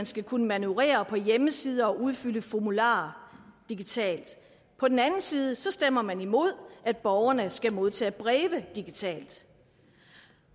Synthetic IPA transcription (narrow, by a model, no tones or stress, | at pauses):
ænsɡ̥ækʰunəmænuʁḛːɐpʰɒ̽jeməsiːð̞ˠɐɒ̽ʔuð̞ˠfyləfɒmulɑ̰̈ːd̥iɡ̥it͡sʰɛ̰ːld̥ | pʰɒ̽d̥enænn̩siːð̞ˠəsɒ̽sd̥em̰ɐmænimo̝ð̞̰ˠæd̥̚b̥ɒʊɐnəsɡ̥æmo̝ð̞ˠt͡sʰɛ̰ːæb̥ʁɛːʋəd̥iɡ̥it͡sʰɛ̰ːld̥